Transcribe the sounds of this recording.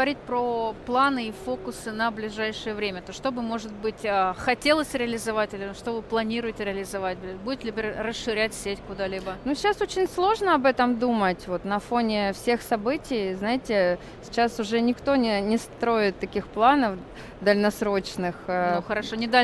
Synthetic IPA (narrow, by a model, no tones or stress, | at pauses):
əɐɾʲit̚ʲpɾoplˠanɨifo̞kʊsɨnəblʲɪʐajʂɨjəvɾʲemʲət̪oʂt̪o̞bɨmo̞ʐɨt̪̚bɨtʲəxɐtʲe̞lˠəsʲɾʲɪəlʲɪzɐvatʲɪlʲɪʂt̪ovɨplˠɐnʲiɾʊjɪtʲɪɾʲɪəlʲɪzɐvat̚ʲbbudʲɪt̪ʲlʲibʲɾʲrəsʂɨɾʲætʲsʲetʲkʊd̪alʲibənuɕːaso̞t͡ɕɪnʲslˠo̞ʐnəɐbɛt̪əmd̪umətʲvo̞t̪nɐfo̞nʲɪfsʲe̞xsɐbɨtʲɪjznaɪtʲɪ | sʲɪt͡ɕasʊʐɛnʲɪkt̪o̞nʲɪnʲɪst̪ɾo̞ɪt̪ːɐkʲixplˠanəf | d̪əlʲnɐsɾo̞t͡ɕnɨxxəɾɐʂonʲɪd̪a